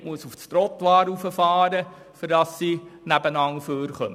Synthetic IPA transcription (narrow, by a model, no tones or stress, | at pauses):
muəsufst̪ɾɔt̪ʋɑːɾufəfɑːɾə | fɪɾdɑsːinæbənɑŋføːɾχœm